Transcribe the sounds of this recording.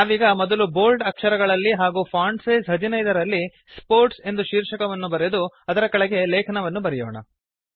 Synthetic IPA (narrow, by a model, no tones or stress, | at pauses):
naːʋiːɡɐmɔd̪ɐlubo̞ːlɖɐkʂɐɾɐɡɐɭɐlːiɦaːɡuːpʰaːɳɖseːzɦɐd͡ʒinɐjd̪ɐɾɐlːi | spoːɾʈse̞nd̪uʃiːɾʂɐkɐʋɐnːubɐɾed̪uɐd̪ɐɾɐkɐɭɛɡe̞lɛːkʰɐnɐʋɐnːubɐɾɛjoːɳɐ̰